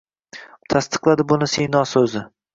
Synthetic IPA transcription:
t̪ʰast̪ʰɨ̥qlˠad̪ɪbʊnɪsejnɒsɵzɪ

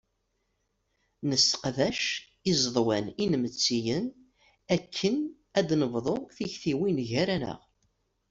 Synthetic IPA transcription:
nəsə̥qðæʃ | izˤðˤwæninmət͡sːijən | ækʰːən | æd̪nəvðˤoθiçθiwinʝæɾænə̰ʁ

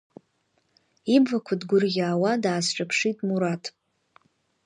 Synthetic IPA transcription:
ibvakʷʰadɡʷʊrɡʲaːwadaːsʈ͡ʂʷʼapʰʂitʼmuɾatʰʼ

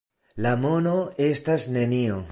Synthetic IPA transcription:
lamo̞no̞e̞stasne̞nio

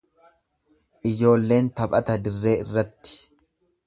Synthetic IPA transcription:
ʔɪd͡ʒo̞ːlːe̞ːnt̪ɐpʼɐt̪ɐd̪ɪrːe̞ːɪrːɐt̪ːɪ̥

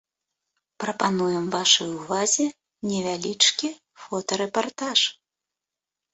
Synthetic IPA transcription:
pɾɐpanujɛmvaʂɐjuvazʲɛ | nʲɛvʲalʲit͡ʂkʲi | fɔt̪ɐɾɛpart̪aʂ

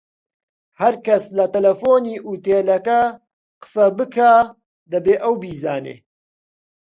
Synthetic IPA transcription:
hɐɾkɐslɐt̪ɐlɐfoːniːʔuːt̪eːlɐkɐ | qɨ̥sɐbɨkʰaː | d̪ɐbeːʔɐwbiːzaːnḛː

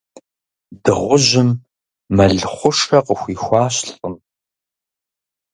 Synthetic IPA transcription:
dɨʁʷʊʑɪmː | ɐɮχʷʊʂɐqəxʷiːxʷɑːɕɬɬʼəm

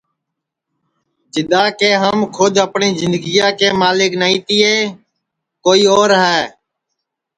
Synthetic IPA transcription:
d͡ʒɪd̪aːkeːɦəmkʰʊd̪əpɳiːzɪnd̪ɡiːjãːkeːmaːlɪknaːĩːt̪iːeː | koːiːoːɾɦɛː

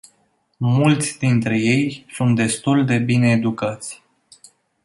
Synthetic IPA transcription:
mult̪sʲd̪int̪ɾe̞je̞jsunt̪̚d̪e̞st̪uld̪e̞bine̞ːd̪ukat̪sʲ

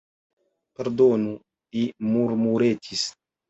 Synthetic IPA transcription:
peɾd̪onu | imuɾmuɾet̪is

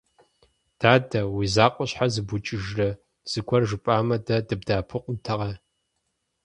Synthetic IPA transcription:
d̥aːdɐwizaːqʷʼɔɕħazɨbʊt͡ʃʼɪʒrɐ | z̥ɨɡʷʰɔrʒɨpʼaːmɐdɐdɨb̚daːpʰɨqʷʼʊntʰɐʁɐ

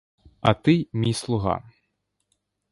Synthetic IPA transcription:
ɐt̪ɨmʲijslˠuɣa̰

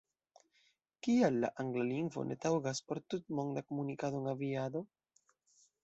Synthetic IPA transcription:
kialːa̰ʔaŋɡlaliŋɡvo̞̰nʔe̞̰tawɡaspo̞ɾtut̚mo̞ŋdakomunikadoŋaviado̞

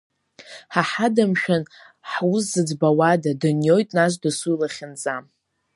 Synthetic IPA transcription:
ħaħadamʃᶣan | ħwuszɨd͡zbawadadɨnjo̞jtʼnaʃʷdɨsujlaχʲɪnd͡zam

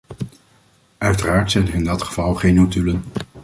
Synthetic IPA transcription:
œɥtəraːɹtsɛjnərɪndɑtχə̥v̥ɑlˠχejnutylən

